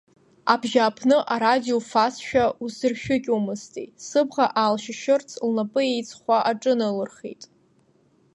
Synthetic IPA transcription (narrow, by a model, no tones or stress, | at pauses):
abʒaːpʰnɨʔaɾadiofasʃᶣausɨrʃᶣʊkʲʼumɨstʼḭtsɨbʁaʔalʃɪʃɨrt͡sʰlnapʼɨejt͡sʰʼχʷaʔaʈ͡ʂʼɨnɨlɨrχḛjtʼ